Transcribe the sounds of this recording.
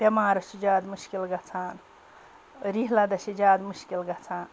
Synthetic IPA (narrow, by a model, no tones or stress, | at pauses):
bʲemaːɾɐsid͡ʒaːd̪muʃkilɡɐt͡sʰaːn | ɾiɦlad̪ɐsid͡ʒaːd̪muʃkilɡɐt͡sʰaːn